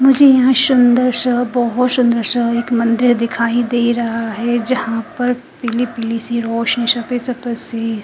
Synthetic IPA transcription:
mʊd͡ʒʱejɐɦãʃʊnd̪əɾsɐɦbɔɦɔt̪sʊ̃nd̪əɾsɐɦeːkmɐ̃nd̪ɪɾd̪ɪkʰaːid̪eːɾɐɦaɦɛd͡ʒɐhãpɐɾ | pɪlipɪlisiɾoːʃniʃɐpesɐpəseː

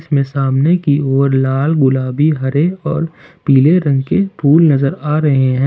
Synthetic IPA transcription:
ɪsmẽsaːmnekioːɾlaːlɡʊlaːbiɦɐɾeɔːɾpiːleɾɐ̃ŋɡkepʰuːlnɐzəɾaːɾɐɦeɦɛ̃ː

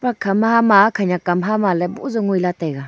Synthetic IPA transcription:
pɾakʰamhamakʰajɲakamɦamalɛbṵzɔŋujlatajɡa

